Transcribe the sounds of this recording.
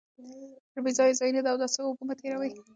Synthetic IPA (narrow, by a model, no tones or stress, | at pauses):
pəɾbizɑjezɑjunad̪awd̪ɑseukumat̪ːeɾawəj